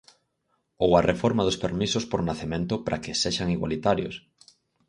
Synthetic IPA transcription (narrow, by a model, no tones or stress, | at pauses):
owarʔefoɾmaðospeɾmisospoɾnaθemẽnt̪opɾʔa̰keseʃaŋiɣwa̰lit̪aɾjo̰s